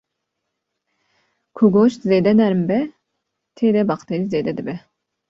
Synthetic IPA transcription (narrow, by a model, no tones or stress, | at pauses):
kʰuɡoʃzed̪ɛnæɾmbɛ | t̪ʰeɾɛbɑqt̪ʰɛɾized̪ɛd̪ɨbɛ